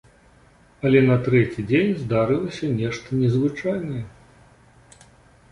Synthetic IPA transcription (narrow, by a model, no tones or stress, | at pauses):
ɐlʲɛnɐt̪ɾɛt͡sʲid͡zʲenʲzd̪aɾɨlˠɐsʲɐnʲɛʂt̪ɐnʲɛzvɨt͡ʂajnɐjɛ